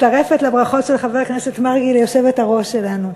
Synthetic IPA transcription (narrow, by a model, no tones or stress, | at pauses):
taʁe̞fetlabʁaχo̞tʃelχaveknesetmaʁɡiljo̞ʃevetaʁo̞ʃe̞lanu